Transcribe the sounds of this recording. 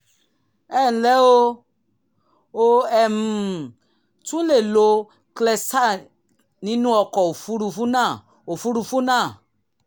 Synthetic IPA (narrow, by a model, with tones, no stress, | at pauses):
ɛ˦˨n̩˨lɛ˨˦o˧ | o˧ɛ˨mũ˨ | tũ˦le˦˨lo˧ | klɛ˧sa˦˨ | nĩ˨˦nũ˦ɔ˧kɔ˨o˨fu˨˦ɾu˧fu˦nãː˦˨ | o˨fu˦ɾu˧fũ˦nãː˦˨